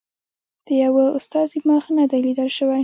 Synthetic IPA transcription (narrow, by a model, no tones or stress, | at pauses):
d̪̥əjawaʊst̪ɑzimɑxnad̪ajlid̪əlʃəwa